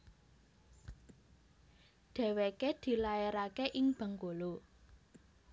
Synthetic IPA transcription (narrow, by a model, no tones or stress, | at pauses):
ɖ̪̥ɛ̤weked̪̥i̤laeɾakeʔɪŋb̥ə̤ŋɡolo